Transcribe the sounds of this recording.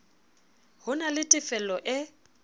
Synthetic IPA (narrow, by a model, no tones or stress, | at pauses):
hʊnalɪtʼɪfɛlɔʔɪ